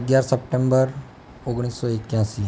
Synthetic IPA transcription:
ɡjaɾsəpʈẽmbəɾ | oɡɽ̃iːsːɔekjãsiː

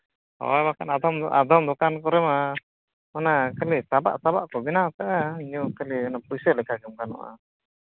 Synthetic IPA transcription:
ɔ̰jbakanad̪ɔmʔad̪ɔmd̪ɔkankɔɾɛma | manakəlisaba̰ʔsabaʔkɔbinat̪aʔɛɲukəliɔnapujsɛlɛkʰaɡɛmkanɔ̰ʔa̰

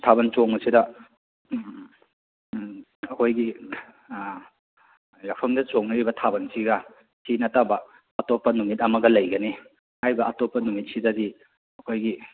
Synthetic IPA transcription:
tʰabɐnt͡ʃoŋɐsidɐ | ɐkʰojɡi | lak̚pʰɐŋdɐt͡ʃoŋnɐɾibɐtʰabɐnsiɡɐ | sʰinɐtabɐ | ɐtopːɐnumit̚ɐmɐɡɐlɐjɡɐni | hajbɐʔɐtopːɐnumit̚sidɐdi | ɐkʰojɡi

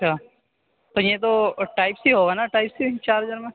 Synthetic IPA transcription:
ɐʃʰaː | t̪ojet̪oʈaːɪpsiɦoːɡanaʈaːɪpsit͡ʃaːɾɦɐd͡ʒaːɾmẽ

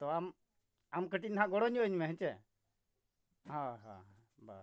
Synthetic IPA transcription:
t̪ɔam | amkəʈinɦãɡɔɽɔɲɔəɲmɛɦət͡ʃɛ | ɦãɦã̰ | ba̰

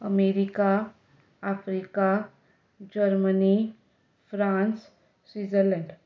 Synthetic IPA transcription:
əmeːɾika | afʰɾika | d͡ʒəɾməni | fɾãːns | swiːzəɾlə̃ɳɖ

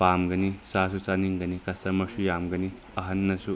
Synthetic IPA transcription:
pamɡɐnisas̬usaniŋɡɐnikɐst̪ɐɾmɐsujamɡɐni | ɐɦɐnːɐsu

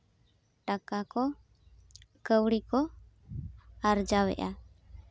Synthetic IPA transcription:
ʈakakɔ | kəwɽikɔ | aɾd͡ʒawɛ̰ʔa

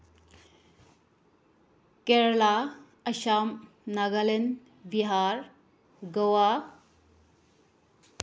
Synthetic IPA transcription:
keɾla | ɐʃam | naɡalen | biɦaɾ | ɡɐwa

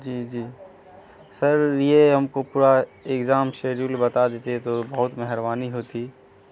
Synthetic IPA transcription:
d͡ʒiːd͡ʒiː | sɐɾjeɦɐmkopuːɾaekzaːmʃeːd͡ʒulbɐt̪ad̪eːt̪eɦt̪obɐɦʊt̪mɛɦɾbaːniɦoːt̪i

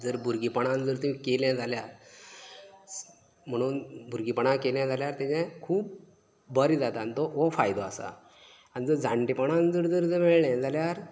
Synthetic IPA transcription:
d͡zəɾbʱuɾɡipəɽ̃ãnd͡zəɾt̪ũmĩkeljãd͡zaljaɾ | m̤əɽ̃uːnbʱuɾɡipəɳ̃akeljãd͡zʱaljaɾt̪ãt͡ɕãkʰuːp̚ | bəɾid͡zat̪anit̪ɔofajd̪oasa̰ | añid͡zəɾd͡zãɳʈipəɽ̃ãnd͡zəɾd͡zəɾd͡zəɾmeɭɳjãd͡zaljaɾ

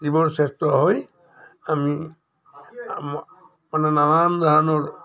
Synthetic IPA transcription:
zibɔɹsɛstɔɦɔj | ami | manɛnalamd̪ʱaɦanɔɹ

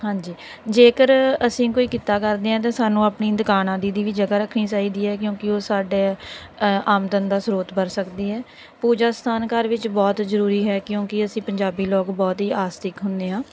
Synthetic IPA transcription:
ɦãːɲd͡ʒiː | d͡ʒeːkəɾəsĩːkoːiːkɪt̪aːkəɾd̪eːãːt̪̬ãːsaːnũːaːpniːnd̪əkaːnãːd̪iːd̪iːʋiːd͡ʒəɡaːɾəkʰːniːt͡ʃaːiːd̪iːɛːk̬jõːkɪoːsaːɖeː | aːmd̪ənd̪aːsɾoːt̪bəɾsəkd̪iːɦɛː | puːd͡ʒaːst̪ʰaːnkəɾʋɪt͡ʃbɔːt̪zəɾuːɾiːɦɛːkjõːkɪəsĩːpəɲd͡ʒaːbiːlɔːkbɔːt̪ɦiːaːst̪ɪkɦʊnd̪eːɦãː

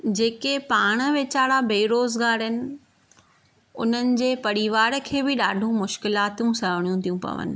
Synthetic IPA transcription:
d͡ʑeːkepaːɽ̃ə̆ʋeːt͡ɕaːɽabeːiɾoːzɡaːɾɪnɪ̆ | ʊn̤ənɪ̆d͡ʑeːpɐɾiʋaːɾkʰeːbɪɗaːɖʱũmʊʃkɪlaːt̪ũsɐɦəɽ̃ijũt̪ʰijũpɐ̰ʋə̰nɪ̰̆

